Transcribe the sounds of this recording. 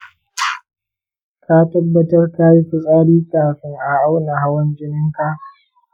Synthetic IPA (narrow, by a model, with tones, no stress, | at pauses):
ka˦tɐ˦bːɐ˦tɐ˦rka˦ji˦ɸʷʊ˨sʼaː˦ɽiː˦kʼaː˨ɸɪ˦ŋʔa˨ʔa˦wna˨ɦa˦wɐ˦nd͡ʒɪ˦nɪ˦ŋka˦ʔ